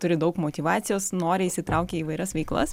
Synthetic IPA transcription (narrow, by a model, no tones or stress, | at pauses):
t̪ʊɾʲɪd̪ɐʊkmoːt̪ʲiʋɑːt̪sʲɪjoːsnoːɾʲɪisʲɪt̪ɾɐʊkʲeːiːʋɐɪɾʲɐsʋʲɛɪklˠɐ̰s